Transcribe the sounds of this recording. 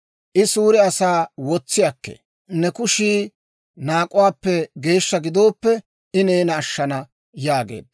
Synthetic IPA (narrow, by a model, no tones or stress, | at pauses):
ʔɪsuːɾɪɐsaːwɔt͡sːɪjɐkːḛ | nːɛkʊʃiː | naːkʼːʊwaːpːɛɡe̞ːʃːɐɡɪd̪o̞ːpːɛ | ɪneːnɐːʃːɐnɐ | jaːɡḛːd̪